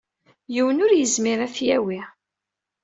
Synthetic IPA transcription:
jiwənʊɾjəzmiɾæfjæwi

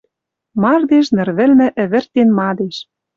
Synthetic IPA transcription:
mɑrd̪eʃnɘ̆rβɘ̆lmɘ̆ʔɘ̆βɘ̆rt̪enmɑd̪eʃ

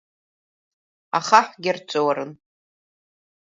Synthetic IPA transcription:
aχaħɡʲɪrt͡sʷʼowaɾɨn

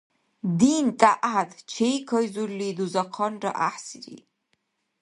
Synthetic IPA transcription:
d̪iːnt̪ʼaʔad̪t͡ʃʰejkʰɔjzuɾlid̪uzaqʰɔnɾɔ̰ʔaħsiɾḭ

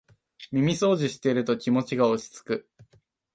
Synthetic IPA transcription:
mʲimʲiso̞ːʑiɕi̥t̪e̞iɾɯ̟t̪o̞kʲimo̞t͡ɕiɡaot͡ɕi̥t͡sɨ̥kɯ̟

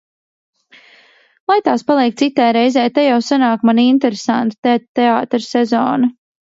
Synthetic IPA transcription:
lˠajt̪aːspalˠiɛk̚t̪sit̪ːajɾɛjzɛːjt̪ejawsanaːkmanint̪ɛɾesant̪u̥t̪ɛt̪ːɛaːt̪ɾsɛzɔːnu

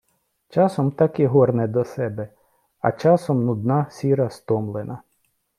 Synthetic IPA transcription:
t͡ʃɑsɔmt̪ɑkiɦɔrnɛd̪ɔsɛbɛ | ɐ̰t͡ʃɑsɔmnʊd̪nɑsʲiɾɐst̪ɔmlˠenɐ

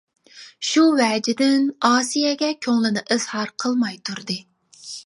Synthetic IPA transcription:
ʃuwɛːd͡ʒɪd̪ɪnɑːsijɛɡʲɛkʲʰøŋlɪnɨʔɨz̥hɑɾqʰəlˠmɑjt̪ʰuɾd̪ɨ

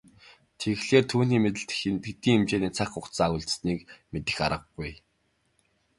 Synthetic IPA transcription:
t̪ʰexɮeːrt̪ʰuːniːmet̪̬ɘ̆ɬt̪xent̪ɡkt̪iːŋemt͡ɕeːniːt͡sʰaχʊk̪saːɣʊɮt̪sniːkmet̪ɘ̆xaɾə̆ɡːuj

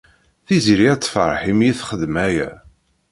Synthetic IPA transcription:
θiziɾiæt͡sːfəɾˤħimjiθχəðmæjæ̰

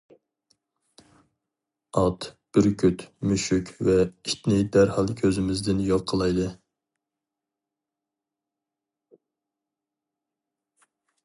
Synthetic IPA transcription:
ɑt̪b̥ɪɾkʲʰyt̪myʃykʲʰvɛit̪nɪd̪æɾhɑlˠkʲʰøzɪmɪzd̪ɪnjoqʰəlˠɑjd̪ɨ

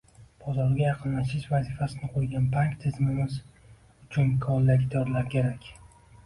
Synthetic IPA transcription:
b̥ɒzɒɾɡʲajɑqʰɨnlaʃɪʃvazifasɪnɪqʰojɡʲanpʰaŋkt̪ʰɪzmɪmɪz | ʊt͡ʃʰʊnkʰɒnlaɡʲt̪ʰɒɾlaɾkʲʰe̞ɾakʲ

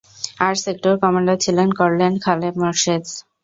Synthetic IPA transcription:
aɾsekʈoɾkɔmaɳɖat͡ɕʰilenkɔɾlenkʰalepmɔɾʃes

